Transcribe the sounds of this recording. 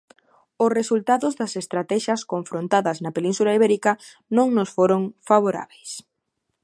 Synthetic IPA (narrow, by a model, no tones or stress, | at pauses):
ʊsresult̪aðʊzðɐsest̪ɾat̪ɛʃɐskoɱfɾont̪aðɐznɐpelĩnsulaiβɛɾikɐ | nõŋnʊsfoɾoŋfaβ̞oɾa̰βejs